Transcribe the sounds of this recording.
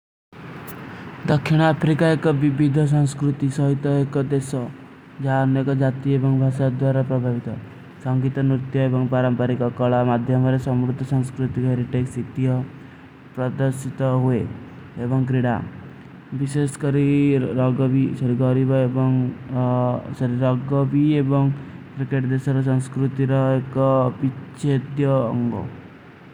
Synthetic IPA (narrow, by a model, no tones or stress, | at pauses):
d̪ɔkʰːiɽ̃apʰɾikaekɔbibid̪ʱɔs̬ɔŋskɾut̪isɔɦit̪ɔekɔd̪esɔ | d͡ʒaɔnjekɔd͡ʒat̪iebɔŋbʱaʃad̪waɾapɾɔbʱabit̪ɔ | sɔŋɡit̪ɔnɾit̪jɔebɔŋpaɾɔmpaɾikɔkɔɭamad̪ʱjɔmɔɾesɔmɾud̪ʱːɔsɔŋskɾut̪ikɦeɾiʈeksit̪ijɔ | pɾɔd̪ɔɾsit̪ɔɦue | ebɔŋkɾiɽa̰ | biseskɔɾiɾɔɡɔbisɔɾiɡɔɾibɔebɔŋ | sɔɾiɾɔɡɔbiebɔŋkɾikeʈd̪esɔɾɔsɔŋskɾut̪iɾɔekɔpit͡ʃed̪jɔːŋɡɔ̰